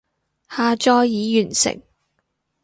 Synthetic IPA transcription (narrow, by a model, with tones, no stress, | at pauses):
haː˧t͡ʃɔː˧jːiː˨˧jyː˨˩nsɪ̰˨˩ŋ